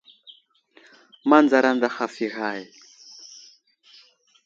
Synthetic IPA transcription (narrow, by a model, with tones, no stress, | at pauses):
ma˦nd͡za˨ɾa˦nda˦˨xa˨fi˨ɣa˨i˨